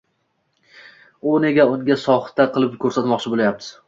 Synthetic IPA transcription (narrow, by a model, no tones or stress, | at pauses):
ʊneɡʲaʊŋɡʲasɒχt̪aqʰɨlˠɪpkʰɵɾsat̪mɒqt͡ʃʰɪbolajap̚t̪ʰɪ̥